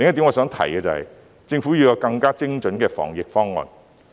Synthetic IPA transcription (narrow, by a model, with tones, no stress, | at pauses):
lɪ˨ŋjɐ˥t̪i˨˥ŋɔː˨˧sœː˨˥ŋt̪ʰɐ̰˨˩jkɛː˧t͡sɐ˨˧hɐ̰˨j | t͡sɪ˧ŋfuː˨˥ji˨˧wjɔː˧kɐ˧ŋkaː˥t͡sɪ˥ŋt͡ʃɵ˨˥nkɛː˧fɔ̰ː˨˩ŋjɪ˨k̚fɔː˥ŋːɔ̰ː˨˧n